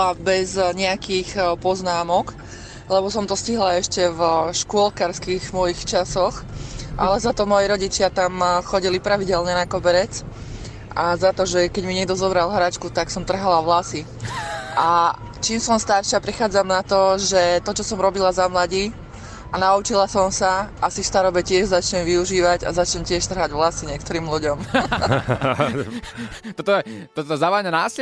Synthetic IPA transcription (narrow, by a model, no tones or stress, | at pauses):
abɛzɲɛakixpɔznaːmɔk | lɛbɔsɔmt̪ɔsciɦlaɛʃcɛvʃkʊɔlkaɾskiɣmɔjixt͡ʃasɔxʔalɛzat̪ɔmɔjiɾɔɟit͡ʃɪat̪amxɔɟilipɾaʋiɟɛlɲɛnakɔbɛɾɛt͡s | ʔazat̪ɔʒɛkɛɟmiɲɪɛɡd̪ɔzɔbɾalˠɦɾat͡ʃkut̪aksɔmt̪r̩ɦalaʋlasi | ʔa | t͡ʃiːmsɔmst̪aɾʃɪapɾixaːd͡zamnat̪ɔʒɛt̪ɔt͡ʃɔsɔmɾɔbilazamlaɟi | anaut͡ʃilasɔmsaʔasist̪aɾɔbɛcɪɛʒzat͡ʃɲɛmʋiuʒiːʋaɟa̰zat͡ʃɲɛmcɪɛʃt̪r̩ɦaɟʋlasiɲɪɛk̚t̪ɔɾiːmluɟɔm | t̪ɔt̪ɔɛt̪ɔt̪ɔzaʋaɲanaːs